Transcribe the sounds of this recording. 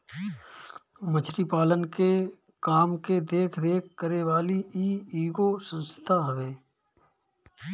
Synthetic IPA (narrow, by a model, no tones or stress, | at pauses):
mət͡ʃʰɾipaːlənke | kaːmked̪eːkʰd̪eːkʰkəɾeːʋaːliiːiːɡoːsə̃nst̪ʰaːɦəʋeː